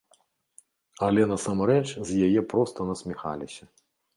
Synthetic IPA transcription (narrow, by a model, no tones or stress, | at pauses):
ɐlʲɛnɐsamɾɛt͡ʂzʲjajɛpɾɔst̪ɐnɐsʲmʲixa̰lʲisʲɐ